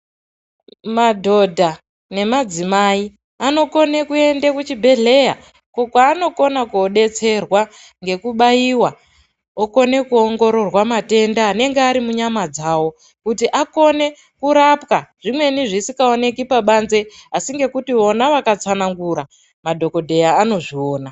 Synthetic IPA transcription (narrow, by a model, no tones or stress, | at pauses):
madʱo̞dʱa | ne̞mad͡zimai | ano̞ko̞ne̞kue̞ndekut͡ʃibʱe̞ɮe̞ja̰ | kokwaːno̞ko̞nakuoɗe̞t͡se̞rwa | ŋɡe̞kuɓaiwa | oko̞ne̞kuoŋɡo̞ɾo̞rwamate̞ndaːne̞ŋɡeaɾimuɲamad͡zawo̞ | kutiʔako̞ne̞ | kuɾapkaʐ̥imwe̞niʐisikaone̞kipaɓanze̞asiŋɡe̞kutio̞naʋakat͡sanaŋɡuɾa | madʱo̞ko̞dʱe̞jaːno̞ʐio̞ːna